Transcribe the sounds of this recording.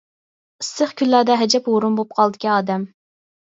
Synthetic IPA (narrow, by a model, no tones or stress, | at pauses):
səχkʲʰylːæd̪ɛɦɛd͡ʒɛpwoɾumbop̚qʰɑlˠd̪ɪ̥kʲiɑːd̪ɛm